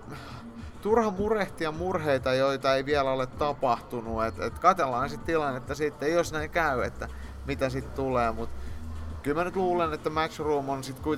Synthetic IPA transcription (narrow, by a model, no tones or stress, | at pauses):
t̪urhɑmureht̪iɑmurheit̪ɑjoit̪ɑeiʋiælolet̪tɑpɑht̪unuet̪ḛt̪kɑt̪elːɑːnesit̪t̪ilɑnet̪ːɑsit̪ːeiosnæiŋkæyḛt̪ːæ | mit̪æsit̪t̪uleːmut̪kylmænyt̪luːlenet̪ːæmæt͡ʃruːmonsit̪kui